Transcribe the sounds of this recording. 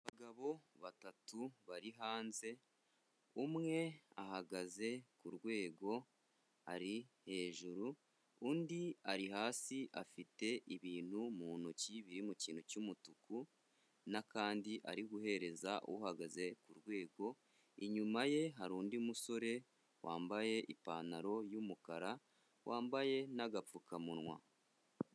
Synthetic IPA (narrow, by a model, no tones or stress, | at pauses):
βaɡaβo̞βatatuβaɾiɦaːnze̞ | umŋe̞a̰ɦaɡaze̞kuɾɡwe̞ːɡo̞ | ha̰ɾihe̞ːʒuɾu | undiaɾiɦaːsiʔa̰fite̞ʔiβiːn̥humuːnuciβiɾimuciːn̥hucumutuku | nakaːndiʔa̰ɾiɡuɦe̞ɾe̞zaʔo̰wuhaɡaze̞kuɾɡwe̞ːɡo̞ | iɲumaje̞ɦaɾuːndimuso̞ɾe̞ | wʔa̰ːmbaje̞ʔipaːnaɾo̞jumukaɾa | wʔaːmbaje̞naɡap͡fukʰamunwa̰